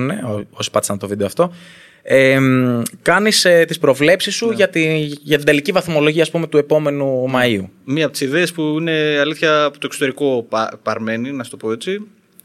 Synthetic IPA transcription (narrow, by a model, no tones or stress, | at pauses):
neoosi̥pɐt̪isɐnt̪o̞vid̪e̞oɐft̪o̞ | emkɐniset̪ispɾo̞vle̞psisːuʝɐt̪iʝɐt̪ind̪e̞licivɐθmo̞lo̞ʝiɐːspume̞t̪ue̞po̞me̞numɐiumiɐpot̪isiðeːspuine̞ɐliθçɐpot̪oekso̥t̪e̞ɾiko̞pɐɾme̞ninɐst̪opo̞et͡si